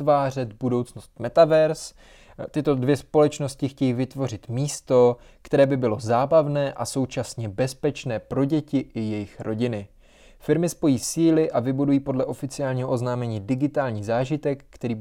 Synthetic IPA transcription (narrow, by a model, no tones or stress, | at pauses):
vaːr̝ɛt̪budo̞wt͡snost̪mɛt̪avɛɾs | t̪ɪt̪o̞dvjɛspo̞lɛt͡ʃno̞scɪxcɛjiːvɪt̪vo̞r̝ɪt̪miːst̪o̞ | kt̪ɛɾɛːbɪbɪlo̞zaːbavnɛːʔaso̞wt͡ʃasɲɛbɛspɛt͡ʃnɛːpɾo̞ɟɛcɪʔɪjɛjɪxɾʔo̞ɟɪnɪ | fɪɾmɪspo̞jiːsiːlɪʔavɪbudujiːpodlɛʔo̞fɪt͡sɪaːlɲiːɦoʔo̞znaːmɛɲiːdɪɡɪt̪aːlɲiːzaːʒɪt̪ɛkːt̪ɛɾiː